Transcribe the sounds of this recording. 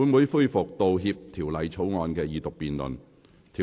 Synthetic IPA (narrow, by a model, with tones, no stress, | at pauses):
uː˨˧˥nmuː˨˥jfu˥jfʊ˨k̚t̪o˨wɦiː˧p̚t̪ʰiː˨˩wlɐ˨˧jt͡ʃt͡sʰo˨˥wŋɔː˧nkɛː˧jiː˨˧t̪ʊ˨k̚piː˨˩nlɵ̰˨n | t̪ʰiː˨